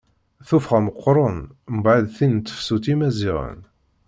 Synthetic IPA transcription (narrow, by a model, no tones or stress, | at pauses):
θufχæməqːɾˤənmbʕəðθint̪ːə̥fsut̪imæziʁə̰n